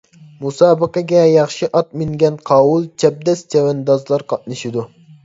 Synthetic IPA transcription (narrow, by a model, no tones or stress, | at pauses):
musɑːbəqɑɡʲɛjɑχʃiʔɑt̪̚mɪŋɡʲɛnqʰɑwulˠt͡ʃʰɛb̚d̪ɛst͡ʃʰɛwɛnd̪ɑzlˠɑɾqɑt̪̚nɨʃid̪u